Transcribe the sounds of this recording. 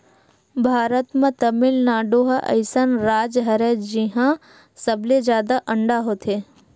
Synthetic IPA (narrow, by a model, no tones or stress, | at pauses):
bʱaːɾət̪mẽt̪əmɪlnaːɖoɦʔɐ̰ɪsanɾaːd͡ʒɦɐɾed͡ʒiɦã | səbled͡ʒjaːd̪aʔəɳɖaɦot̪ʰe